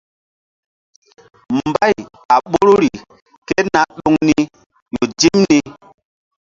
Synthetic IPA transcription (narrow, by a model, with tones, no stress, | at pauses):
m˨ba˦˨j | a˨ɓo˦ɾu˦ɾi˨ | ke˦na˦ɗo˦ŋni˦ | jo˨d͡ʒi˦mni˦